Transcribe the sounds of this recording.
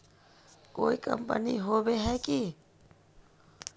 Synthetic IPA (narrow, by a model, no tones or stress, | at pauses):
koːikə̰mpə̰nḭɦobeɦɛki